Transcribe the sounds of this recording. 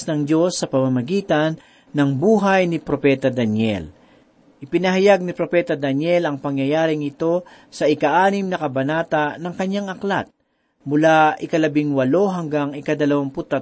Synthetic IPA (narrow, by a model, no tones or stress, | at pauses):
snɐŋd͡ʒo̞sːɐpɐmɐmɐɡiːt̪ɐnː | ɐŋbuːɦajnɪpɾopɛt̪ɐd̪ɐnjɛ̰l | ʔɪpɪnɐɦɐjaɡ̚nɪpɾopɛːt̪ɐd̪ɐnjɛlɐŋpɐŋjɐjaːɾɪŋɪt̪o̞ | sɐʔɪkɐʔaːnɪmnɐkɐbɐnaːt̪ɐnɐŋkɐɲjaŋɐklat̪̚ | mʊlaʔɪkɐlɐbɪŋwɐlo̞ɦɐŋɡaŋɪkɐd̪ɐlɐwaŋpʊt̪ːɐ